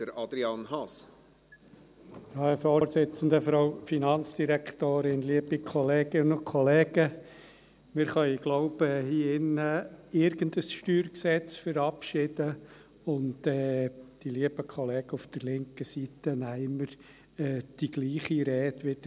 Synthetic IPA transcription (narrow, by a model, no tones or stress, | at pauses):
d̥əɾɑd̥̪ɾiɑnhɑs | ɑəfoːɾsɪt͡sən̩d̪əfɾɑʊfinɑnt͡sd̥iɾækt̪oːɾɪnliːəbikʰɔleːɡənnʊkʰɔlɛːɡ̥ə | mɪɾχœʏiɡ̥lɔʊbɛhiːɪnəɪɾɡ̥əndəsʃtyːɾksɛt͡sfəɾɑpʃɪd̥ə | ʊntɛːd̥iliəb̥əkʰɔlɛːɡ̥əufd̥ərlɪŋkəsit̪ənæɪməɾ | ɛd̥iɡ̥liːχiɾɛːtʋɪd̥̪ə